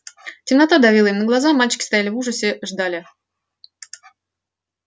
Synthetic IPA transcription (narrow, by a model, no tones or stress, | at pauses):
tʲɪmnɐt̪ad̪ɐvʲilˠəimnəɡlˠɐzamalʲt͡ɕɪ̥kʲɪst̪ajalʲɪvuʐəsʲɪʐd̪alʲɪ